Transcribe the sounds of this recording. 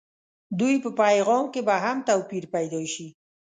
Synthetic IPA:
d̪ujpəpajɣɑmkebaɦamt̪awpiɾpajd̪ɑʃi

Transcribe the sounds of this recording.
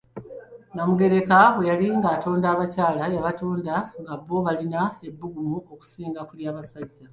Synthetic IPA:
namuɡe̞ɾe̞kaβwe̞jaliŋɡaːto̞ːndaːβacaːlajaβatoːndaŋɡaβːo̞βalinae̞bːuɡumuo̞ku̥siːŋɡakuljaːβasaɟːa

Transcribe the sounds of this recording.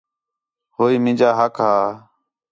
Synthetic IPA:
ɦoːiːmɪ̃ːd͡ʒaːɦəkɦaː

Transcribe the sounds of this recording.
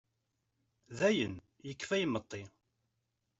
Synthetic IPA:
ðæjən | jəkːfæjəmət̪ˤːi

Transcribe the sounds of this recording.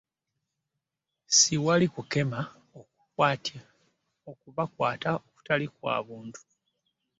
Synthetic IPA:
siwalikuke̞ma | oku̥kwaːta | okuβakwaːtaoku̥talikwa̰ːβuːntu̥

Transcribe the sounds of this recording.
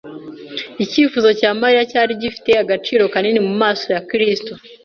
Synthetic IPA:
iciːfuzo̞caːmaɾiɾacaːɾiɟifi̥te̞aɡat͡ʃiːɾo̞kaninemumaːso̞jakɾisto

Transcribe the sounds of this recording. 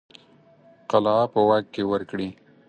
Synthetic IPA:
qalɑpəwakkːewəɾkɽi

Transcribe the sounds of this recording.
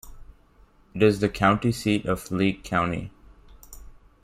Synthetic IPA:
ɨɾɪzðɨkʰãʊ̃ntisiɾʌv̥liɡ̚kʰãʊ̃ntḭ

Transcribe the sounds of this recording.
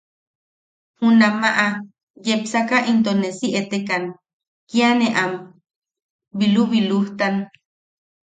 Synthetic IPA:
hunamaʔa | jepsakaʔint̪onesiʔet̪ekan | kianeʔam | biluβiluht̪an

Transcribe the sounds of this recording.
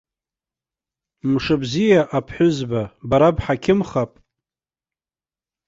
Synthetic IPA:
mʂɨbzijaʔapʰħʷʊzbabaɾabħakʲʰɪmχapʼ

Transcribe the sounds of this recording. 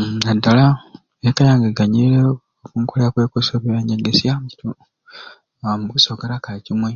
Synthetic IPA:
adala | ekajaːŋɡeɡaɲiɾe | okuŋkoleakwekosoβiβeɲendesjamci̥tu | amukusoɡaɾakaicimwe

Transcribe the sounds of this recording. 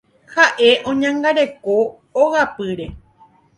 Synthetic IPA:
haʔe̞ʔõ̞ɲãŋɡaɾe̞ko̞ː | hapɨɾe̞

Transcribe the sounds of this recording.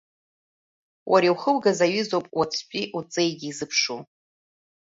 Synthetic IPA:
wʔaɾiwχəlɡazaɥɨzowpʼwat͡sʷʰpʼiʔut͡sʼejɡʲiːzɨpʰʂu

